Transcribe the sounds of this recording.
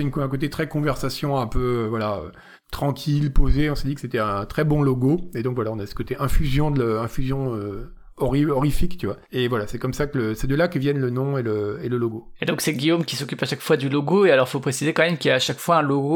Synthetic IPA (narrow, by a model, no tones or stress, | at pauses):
ynɛ̃k̬ot̪et̪χɛkɔ̃vɛʁsasjɔ̃ɛ̃pøøvwalaø̰ | t̪χɑ̃kʲʰilpozeɔ̃sed̪ikəset̪ɛɛ̃t̪χɛbɔ̃loɡoed̪ɔ̃kvwalaɔ̃nasə̥kot̪eʔɛ̃fyzjɔ̃d̪ələɛ̃fyzjɔ̃ø | ɔʁiɔʁifikt̪yvwa | evwalasɛkɔmsakələsɛd̪əlakəvjɛnlənɔ̃eləeləloɡoed̪ɔ̃ksɛɡʲijomkʲisɔkʲypaʃakfwad̪yloɡoealɔʁfopχesizekɑ̃mɛmkiljaːʃakfwaɛ̃loɡo